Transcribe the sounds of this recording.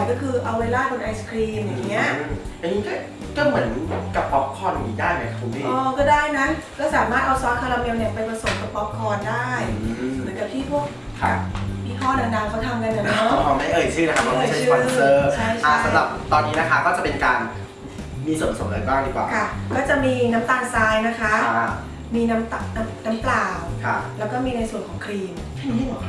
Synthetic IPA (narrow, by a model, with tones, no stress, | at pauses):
kɔː˥˩kʰɯː˧ʔa˧weː˧laː˥˩kʰo˧nʔa˧jskʰɾiː˧mja˨˩ŋːi˦˥ɐʔʔa˧niː˦˥kɔː˥˩ | kɔː˥˩mɯ˩˦ənka˨˩pːɔ˦˥p̚kʰɔː˧na˨˩niː˦˥daː˥˩jka˨˩kʰu˧˦˧ʔɔː˧˩kɔː˥˩daː˥˩jna˦˥kɔː˥˩saː˩˦maː˥˩t̪̚ʔa˧wsɔː˦˥t̚kʰːa˧la˧me˧wni˧˩əpa˧jpɾa˧so˨˩˦p̚ka˨˩pːɔ˦˥p̚kʰːɔː˧ndaː˥˩jmɯɯ˩˦nka˨˩p̚t̪ʰiː˥˩pʰu˥˩ək̚ | kʰa̰˧a˩mʰiː˥˩k̪ʰɔː˥˩da˨˧˩ŋdaː˧˩ŋkʰa˦˥wt̪ʰa˧mka˧nla˨˩ɔ˦˥˧kʰɔː˨˧˦ma˥˩ʔɤː˧jsʰɯː˥˩na˦˥kʰa˥ɔ˧˥˧ɯːɔ˧˥˧ɤː˧˩t͡ɕʰa˥˩jt͡ɕʰa˥˩˥a˨˦mɾa˨˩p̚t̪ɔː˧nːiː˦˥na˦˥kʰa˦˥˩kɔː˥˩t͡ɕa˨˩pe˧nkaː˧n | miː˧su˨˩pa˨so˩˦ʔɤː˧˩baː˥˩t̪ʰiː˥˩pla̰ː˨˩kʰa˥˩kɔː˥˩t͡ɕa˨˩miː˧na˦˥mt̪aː˧˩ŋsaː˧˥jna˦˥kʰa˦˥ | miː˧na˦˥mt̪a˧n˥na˦˥mklaː˧˩wkʰa˦˧lɛː˦˥wkɔː˥˩miː˧na˧jsu˨˩ənkɔː˩˦ŋkʰɾiː˧mʰ˥˩